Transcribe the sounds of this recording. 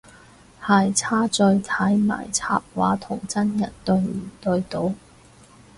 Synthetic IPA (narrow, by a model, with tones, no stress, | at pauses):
haː˨˧jt͡sʰaː˥t͡sɵ˧ɥt̪ʰɐ˨˥jma̰ː˨˩jt͡sʰa̰ː˧p̚waː˨˥t̪ʰʊ˨˩ŋt͡sɐ˥njɐ˨˩nt̪ɵ˧ɥm̩ː˨˩t̪ɵ˧ɥt̪o˧˥w